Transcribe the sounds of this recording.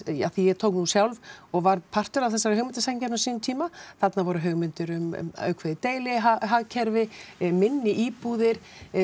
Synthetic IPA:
a̰θijɛɣt̪ʰowknuːsjawlvɔɣvaɾpʰar̥t̪ʏɾawθɛsːaɾhœɣmɪnt̪asacanasiːnʏnt̪ʰiːmaθat̪navɔːɾʏɦœɣmɪnt̪ʏɾʏm̰œ̰ɥkʰvɛðɪt̪eːjlɪɦaɦaɣcʰɛɾvɪmɪnːɪʔiːpuðɪɾ̥

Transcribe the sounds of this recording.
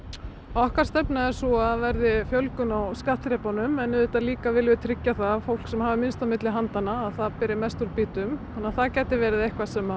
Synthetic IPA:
ɔahkaɾ̥st̪ɛpnaɛɾsuaðvɛɾðɪfjœlkʏnawskaht̪ɾɛpanʏmɛnːɪðʏt̪aliːkavɪːlvɪt̪ʰɾɪcːaθafowl̥ksɛmhaːvɪmɪnst̪amɪt̪lɪɦant̪anːaːðθaðpɪɾɪmɛst̪ʏɾpiːt̪ʏmhanːaθaðcɛːjt̪ɪvɛːɾɪðejhkvasɛma

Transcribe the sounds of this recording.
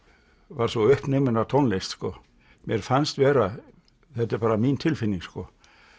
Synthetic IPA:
vaɾ̥svɔʏhpnemʏnat̪ʰɔnlest̪skɔ | mjɛɾ̥fanst̪vɛːɾa | θɛt̪ːɛɾpaːɾamint̪ʰɪlfɪnːiŋskɔ

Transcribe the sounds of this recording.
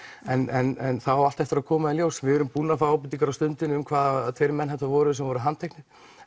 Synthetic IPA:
ɛnɛnɛnθawawalt̪ɛft̪ɪɾaðkʰɔːmaðɪljowsvɪɛɾʏmpuːnafaawp̬ʏt̪ːiŋkaɾawst̪ʏnt̪ɪnʏmkʰvaːðt̪ʰveɾmɛnɦɛht̪avɔːɾʏʏs̬ɛmvɔɾʏɦant̪ʰejknɪ

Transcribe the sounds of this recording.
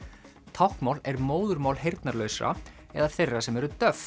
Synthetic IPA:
t̪ʰawhkmawlɛɾmoːwðʏɾmaːwlɦejɾt̪naɾlœːɥsa̰ | ɛ̰ðaθejrːasɛmɛɾʏt̪œf

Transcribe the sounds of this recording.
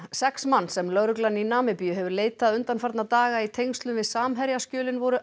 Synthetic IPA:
sɛksmanːsɛmlœɣɾʏklanːinaːmɪpijʏɦɛvʏɾleːjt̪aðʏnt̪anfaɾt̪nat̪aːɣait̪ʰejŋst̪lʏmvɪðsaːmɦɛɾjascœːlɪnvɔɾʏ

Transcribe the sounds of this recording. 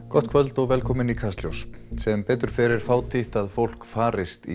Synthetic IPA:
kɔht̪̚kʰvœlt̪ɔɣvɛlkʰɔːmɪnikʰast̪ljowspsɛmpɛːt̪ʏɾ̥fɛːɾɪɾ̥faːwt̪ʰɪht̪aðfowl̥kfaːɾɪst̪ḭ

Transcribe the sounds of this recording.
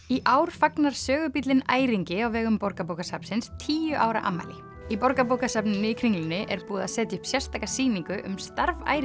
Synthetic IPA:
iʔaːwɾ̥faknaɾ̥sœːɣʏpit̪lɪna̰ːjɾiŋcɪawvɛːɣʏmpɔɾkapowkasapn̥sɪnst̪ʰiːjʏʔaːwɾa̰ʔa̰mːa̰jlɪ | ipɔɾkap̬owkasapnɪnːɪikʰɾiŋlɪnːɪʔɛɾpuːðasɛːt̪jahʏ̥psjɛrst̪akasiːniŋkʏʔʏmst̪aɾva̰ːjɾ

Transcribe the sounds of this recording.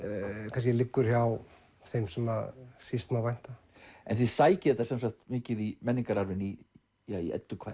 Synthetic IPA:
kʰãnscɪlɪkːʏɾ̥çaw | θejmsɛmasist̪mavajn̥t̪a | ɛ̰nθɪðsaːjcɪðɛt̪ḁsɛmsahkt̪mɪːcɪðimɛnːiŋkaɾaɾvɪni | aḭɛ̰t̪ːʏkʰa̰ː

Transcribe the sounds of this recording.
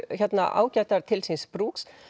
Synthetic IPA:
çɛt̪na̰ʔa̰ːwcaht̪aɾ̥t̪ʰɪlsinspɾuːks

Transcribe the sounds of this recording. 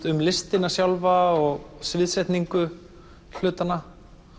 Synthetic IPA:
t̪ʏmlɪst̪ɪnːasjawlvaɔɣsvɪːðsɾɛjht̪niŋkʏ | l̥ʏːt̪anːa

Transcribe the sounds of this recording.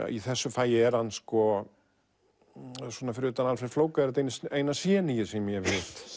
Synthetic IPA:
ḭθɛsːʏfaːjɪɛɾhanːskɔ | swɔːnafɪɾɪʏːt̪analfɛɾ̥floːwkaðɾat̪ejnseːjnasjɛːnijɪsɛmjɛvɪt̪

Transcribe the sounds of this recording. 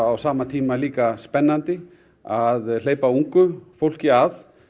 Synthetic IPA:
awsaːmat̪ʰiːmaliːkaspɛnːant̪ɪ | aðl̥eːjpauŋkʏfowl̥cɪaθ

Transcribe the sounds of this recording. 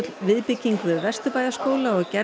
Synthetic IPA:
t̪lvɪðpɪcːiŋkvɪðvɛrst̪ʏpaːjðaskoːwlaɔɣcɛ

